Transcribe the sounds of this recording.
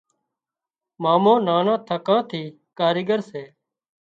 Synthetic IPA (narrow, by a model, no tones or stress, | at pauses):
maːmõːnaːnãːt̪ʰəkãːt̪ʰiː | kaːɾɪːɡəɾseː